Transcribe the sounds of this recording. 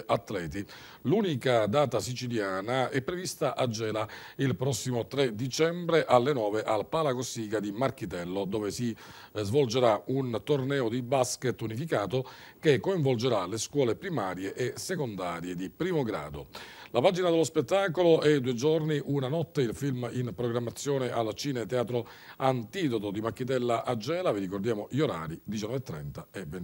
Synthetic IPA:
ʔat̪ːlɛːt̪̬i | luːnikad̪aːt̪asit͡ʃiljaːnaɛpːɾevist̪aʔad͡ʒːɛːlailpɾɔsːimot̪ɾed̪it͡ʃɛmbɾeʔalːenɔːveʔalpaːlakosiːkad̪imark̟it̪ɛlːod̪ɔːvesi | zvold͡ʒeɾaunt̪ornɛːod̪ibasket̪ːunifikaːt̪okekːoiɱvold͡ʒeɾaleskwɔːlepɾimaːɾjeʔːsekond̪aːɾjed̪ipɾiːmoɡɾa̰ːd̪o̰lapaːd͡ʒinad̪elːospet̪ːaːkoloʔɛd̪ued͡ʒorniʔunanɔt̪ːeilfilminpɾoɡɾamːat̪sːjɔːneʔalt͡ʃiːnet̪eaːt̪ɾo | ant̪iːd̪ot̪od̪imakːit̪̬ɛlːaʔad͡ʒːɛːlaviɾikord̪jaːmoʎoɾa̰ːɾid̪it͡ʃanːɔvet̪ːɾɛ̰nt̪aɛven

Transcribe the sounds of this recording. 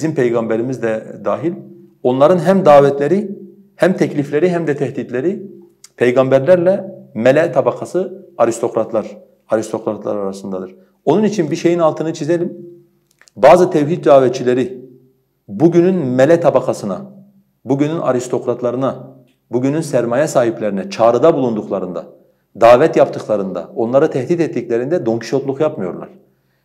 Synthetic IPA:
izimpʰejɡambɛɾimizd̪ɛd̪aːɦilʲ | o̞nlˠaɾɯnɦæmd̪aːvɛt̪ʰlʲeɾi | hæmt̪ʰɛclʲiflʲeɾiɦæmd̪ɛt̪ʰɛhd̪id̪lʲeɾi | pʰejɡɑmbæɾlæɾlʲɛmɛlʲɛt̪ʰabakʰasɯaɾist̪ʰo̞kɾat̪ʰlˠaɾ | aɾist̪ʰo̞kɾat̪ʰlˠa̰ɾaɾasɯnd̪ad̪ɯɾ̥ | o̞nunit͡ʃʰinbiʃe̞jinɑlˠt̪ʰɯnɯt͡ʃʰizelʲim | baːzɯt̪ʰɛvɦit̪̚d̪aːvɛt̪̚t͡ʃʰilʲeɾi | buɟynynmɛlʲɛt̪ʰabakʰasɯna̰ | buɟynynʔa̰ɾist̪ʰo̞kɾat̪ʰlˠaɾɯna | buɟynynsæɾmajɛsaːɦiplʲeɾinɛt͡ʃʰaːɾɯd̪abulˠund̪uqlˠaɾɯnd̪a̰ | d̪aːvɛt̪japt̪ʰɯklˠaɾɯnd̪a̰o̞nlˠaɾɯt̪ʰɛhd̪it̪ɛt̪ːiclʲeɾind̪ɛd̪o̞ŋcʰi̥ʃo̞t̪lˠukjapmɯjo̞ɾlˠa̰ɾ̥

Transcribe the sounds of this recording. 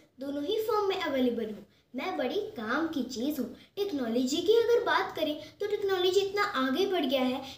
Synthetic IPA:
d̪oːnõɦifɔːɾmːẽʔɐʋɛːleːbəlɦũː | mɛ̃ːbɐɽikaːmkit͡ʃiːzɦũʈɛːknɔːlɔːd͡ʒikiɐɡəɾbaːt̪kɐɾẽt̪oʈɛːknɔːlɔːd͡ʒiɪt̪naʔaːɡebɐɽɡɪjaɦɛː

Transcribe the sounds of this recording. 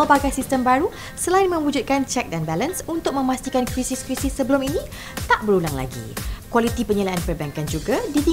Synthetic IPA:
lbaɡajsist̪əmbaɾu | səlaɪnmə̃mud͡ʒʊt̪̚kant͡ʃɛk̚danbɛlənsunt̪ʊk̚mə̃mast̪ikankɾisiskɾisɪsːəbəlʊminĩ | t̪aʔbəɾulaŋla̰ɡḭkwalit̪ipəɲəlaanpərbɛŋkand͡ʒuɡadit̪i

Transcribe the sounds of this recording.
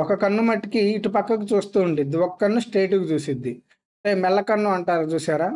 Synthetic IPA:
ɔkɐkɐnːumɐʈːikiːʈupɐkːɐkut͡ʃuːst̪uːuɳɖid̪ːiɔkɐ̥kɐnːusʈeːʈuɡut͡ʃuːsid̪ːi | ɐʈeːmɛlːɐkɐnːuɐɳʈaːɾɐt͡ʃuːsaːɾaː

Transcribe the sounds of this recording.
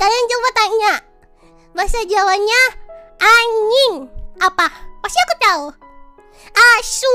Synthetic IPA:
kadaŋd͡ʒaupat̪aɲa | masad͡ʒawaɲaʔaɲinapapast̪iakut̪au | ʔasu

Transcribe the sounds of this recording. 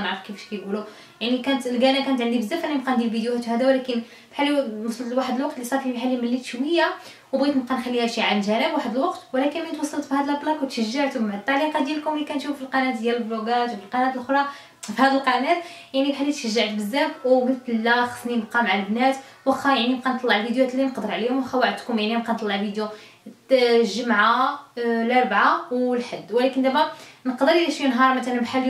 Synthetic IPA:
mʕɾfkifʃkæjɡulu | jaʕnikænt̪lɡænækænət̪ʕənd̪ibəzːæfænimqænd̪ilvid̪juhæt̪hæd̪æwlækən | fi̥ħalːimɑsˤɑlt̪waħəd̪əlwɑq̚t̪lisˤɑɾˤfifħalːiməlːit̪ʃwəjːa | wbɣit̪mqænxælːihæʃiʕalʒænəbwaħəd̪əlwɑqt̪wlækənmənt̪wɑsˤːɑlt̪fihæd̪əlæblɑkwt̪ʃəʒːəʕt̪umʕt̪ˤːɑliqæd̪ilkʊmlːikænt̪ʃuffilqɑnæt̪d̪jæləlbloɡæfilqɑnæt̪lʔxɾˤɑ | fihæd̪əlqɑnæt̪ | jaʕnibħalːit̪ʃəʒːaʕt̪bəzːæfwmət̪əlːæxə̥sˤnimqɑmʕaləbnæt̪ | wxæjaʕnibqɑnt̪ˤlːɑʕlfid̪juæt̪lːinəqd̪əɾˤʕlihʊmwɑxæwæʕəd̪kʊmjaʕniqɑnt̪ˤlːɑʕlfid̪ju | ʒəmʕa | lɑɾˤbʕawlħəd̪ːwlækənd̪æmænəqd̪əɾlæʃinɦɑɾˤmæt̪ælænbħal

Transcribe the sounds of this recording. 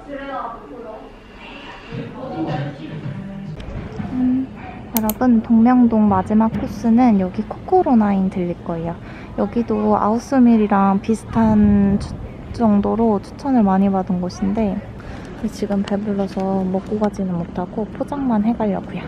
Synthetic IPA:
jʌɾʌbɯntoŋmjʌŋdoŋmad͡ʑimak̚kʰus͈ɯnɯnjʌɡikʰok͈ʰoɾonainitɯʎːik͈ʌejo | jʌɡidoa̰os͈ʰɯmiɾiɾaŋpisʰɯ̥tʰant͡ɕʰu̥ | t͡ɕ͈ʌŋdoɾot͡ɕʰu̥t͡ɕʰʌnɯɭmaɲibadɯnɡʌɕʰinde̞ | et͡ɕiɡɯmpebuɭːʌsʰʌmʌk͈uɡad͡ʑinɯnmotʰaɡ̥opʰod͡ʑaŋmanɦe̞ɡaʎːʌk͈uja

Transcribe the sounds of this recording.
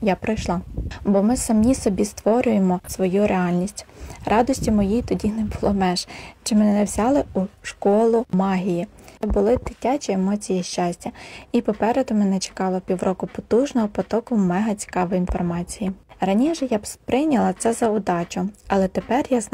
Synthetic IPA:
japɾɔjʃlˠɑbɔmɪsɐmisɔbʲist̪ʋɔɾʲʊjemɔsʋɔjuɾʔeɑlʲnʲisʲtʲrɑd̪ɔsʲtʲimɔjijt̪ɔdʲinɛbʊlˠɔmɛʒt͡ʃɪmɛnɛnɛʋzʲɑlˠɪuʃkɔlˠʊmɑɦʲiji | bʊlˠɪd̪̥ɪtʲat͡ʃʲiemɔt͡sʲijiʃt͡ʃɑsʲtʲɐipɔpɛɾed̪ʊmɛnɛt͡ʃe̥kɑlˠɔpʲiwɾɔkʊpɔt̪uʒnɔɦɔpɔt̪ɔkʊmɛɦɐt͡sʲi̥kɑʋɔjinfɔrmɑt͡sʲijirɐnʲiʒɛjabpɾɪjnʲɐlˠɐt̪sɛzɐʊd̪ɑt͡ʃʊɐlˠɛt̪epɛrjaz

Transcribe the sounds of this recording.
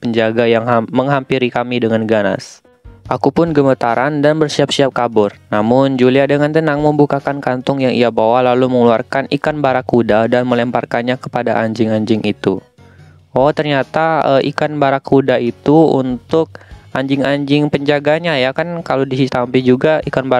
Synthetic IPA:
pəɲd͡ʒaɡajaŋɦaməŋɦampiɾikamidəŋanɡana̰s | ʔakupʊnɡəmət̪aɾʔandanbərsiap̚siap̚kabʊrnamʊnd͡ʒuliadəŋant̪ənaŋməmbukakankant̪ʊŋjaŋḭabawalaluməŋəluarkanikanbaɾakudadanməlɛmparkanɲakə̥padaʔaɲd͡ʒɪŋaɲd͡ʒɪŋʔit̪u | wɔt̪ərɲat̪aəʔḭkanbaɾakudait̪uṵnt̪ʊk̚ʔaɲd͡ʒɪŋaɲd͡ʒɪŋpəɲd͡ʒaɡaɲajakankalodisit̪ampɪd͡ʒuɡaikanba

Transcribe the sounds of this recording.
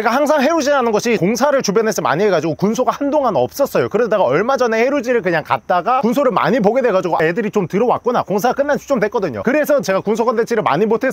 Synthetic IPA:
t͡ɕeɡahaŋsʰaŋɦe̞ɾud͡ʑinanɯnɡʌɕʰikoŋsʰaɾɯɭt͡ɕubjʌnɦesema̰ɲieɡad͡ʑiɡokuns̬ʰoɡahandoŋɦanɯʌp̚s͈ʌs͈ʌjokɯɾʌdaɡaʌɭmad͡ʑʌne̞he̞ɾud͡ʑiɾɯɭkɯɲaŋka̰t̚t͈aɡakunsʰoɾɯɭma̰ɲip̬oɡe̞dwe̞ɡad͡ʑuɡoaedɯɾit͡ɕomtɯɾʌwa̰kk͈ʌna̰koŋsʰaak͈ɯnːant͡ɕʰu̥t͡ɕ͈omdwek͈ʌdɯɲo̰kɯɾe̞sʰʌt͡ɕe̞ɡakunsʰokʰandet͡ɕʰiɾɯɭma̰ɲimotʰe̞

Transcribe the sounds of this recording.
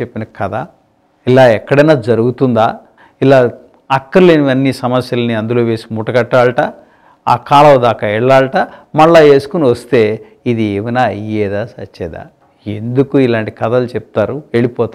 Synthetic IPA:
t͡ʃepːinɐkɐd̪aː | ilaːɛkːɐɽɐnaːd͡ʒɐɾuɡut̪und̪aː | ilaː | ɐkːɐɾleːniʋɐnːisɐmɐsjɐlɐniɐnd̪uloːʋe̞ːsi̥muːʈɐkɐʈːaːɭɐʈa | aːkaːlɐwɐd̪aːkaɛɭːaːɭɐʈamɐɭːaːe̞ːsu̥kuniʋɐst̪e̞ː | id̪ieːʋinaːɐjeːd̪aːsɐt͡ʃːɛːd̪a̰ː | end̪ukuilaːɳʈikɐd̪alut͡ʃep̚i̥t̪aːɾueɭipɔːt̪a

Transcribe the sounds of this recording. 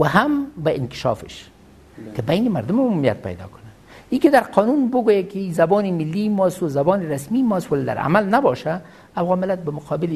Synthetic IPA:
waɦambaɪnkɪ̥ʃɑ̰fɪ̰ʃ | kɪbajnɪmaɾd̪ʊmʊmumija̰t̪̚pa̰jd̪ɔ̰kʊ̥na | ikɪd̪aɾqʰɔnunbʊɡojakɪizabɑnɪmɪlːimɔst̪ʊzabɑnɪɾasmimɔswaled̪a̰ɾa̰malnabɑʃaː | wɣɑmɪlat̪̚bamʊqʰɑbɪl

